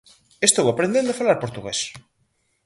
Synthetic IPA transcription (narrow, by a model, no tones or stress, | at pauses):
est̪owapɾẽnd̪ẽnd̪ofalaɾpoɾt̪uɣes